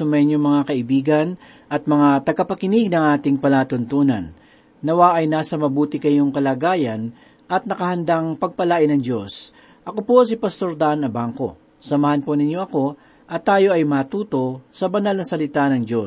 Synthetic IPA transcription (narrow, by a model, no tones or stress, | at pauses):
ʊmɛɲjomɐŋakɐʔɪbiːɡɐn | ʔɐt̪̚mɐŋat̪ɐɡapɐkɪnɪɡnɐŋʔaːt̪ɪŋpɐlaːt̪ʊnt̪uːnɐ̰nː | ɐwaʔɐjnaːsɐmɐbuːt̪ɪkɐjoŋkɐlaːɡaːjɐn | ʔɐt̪̚nɐkɐhɐnd̪aŋpɐɡ̚pɐlaːʔɪnɐŋd͡ʒo̞s | ʔɐkopo̞s̬ɪpɐst̪o̞ɾd̪anɐbaŋko̞̰ | sɐmɐhɐnponɪɲjo̞ʔɐko̞ | ʔɐt̪ːaːjo̞ʔɐjmaːt̪uːt̪o̞sɐbɐnalnɐsɐlɪt̪anɐŋd͡ʒo̞